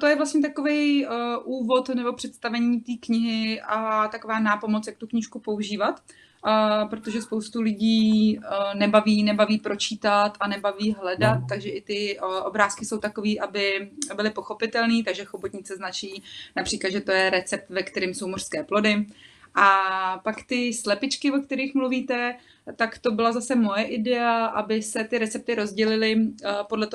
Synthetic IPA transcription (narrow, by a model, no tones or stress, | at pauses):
t̪ojɛvlast̪ɲɛt̪ako̞vɛjʔuːvo̞t̪nɛbo̞pr̥ɛt̪st̪avɛɲiːt̪iːkɲɪɦɪʔat̪akovaːnaːpo̞mot͡sjak̚t̪ukɲɪʃkupo̞uʒiːvat̪ː | pɾot̪o̞ʒɛspowst̪ulɪɟiː | nɛbaviːnɛbaviːpɾo̞t͡ʃiːt̪at̪ʔanɛbaviːɦlɛdat̪̚ːaɡʒɛʔɪt̪ɪʔo̞bɾaːskɪso̞wt̪ako̞viːʔabɪbɪlɪpo̞xo̞pɪt̪ɛlniːt̪aɡʒɛxobot̪ɲɪt͡sɛznat͡ʃiːnapr̝̥iːklad̪ʒɛt̪o̞jɛɾɛt͡sɛp̚t̪vɛkt̪ɛɾimso̞wmor̥skɛːplo̞dɪʔapakt̪ɪslɛpɪt͡ʃkɪvok̚t̪ɛɾiːxmluviːt̪ɛ | t̪akt̪o̞bɪlazasɛmo̞jɛʔɪdɛaʔabɪsɛt̪ɪɾɛt͡sɛp̚t̪ɪɾo̞zɟɛlɪlɪpodlɛt̪o